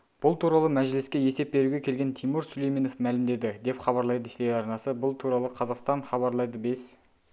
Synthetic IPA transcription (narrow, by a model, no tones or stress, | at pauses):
b̥ʊlˠt̪ʰuɾɑlˠəmæʒlɪskʲe̞je̞se̞p̚ːbe̞ɾuɡʲe̞kʲʰe̞lɡʲe̞nt̪ʰijmuɾsʊle̞jme̞nofmælɪmd̪e̞d̪ɪd̪e̞pχɑβɑɾlˠɑjd̪ət̪ejɑɾnɑsəbʊlˠt̪ʰuɾɑlˠəqʰɑzɑqst̪ɑɴχɑβɑɾlˠɑjd̪əbe̞s